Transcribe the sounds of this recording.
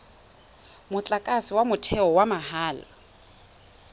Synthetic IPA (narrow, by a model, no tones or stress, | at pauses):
mʊt͡ɬʼakʼasɪwamʊtʰɛɔwamaɦaːla̰